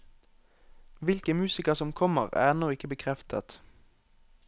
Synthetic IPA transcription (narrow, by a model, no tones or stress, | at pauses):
ʋɪlkəmʉːsɪkəʁsɔmkʰɔməʁæ̰ːɛnoːɪkəbəkʰʁɛft̪ʰə̰t̪